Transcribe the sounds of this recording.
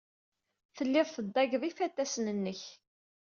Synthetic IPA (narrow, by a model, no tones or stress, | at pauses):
θəlːɪðˤθəd̪ːɑʝðˤifæt̪ːæsnənːəç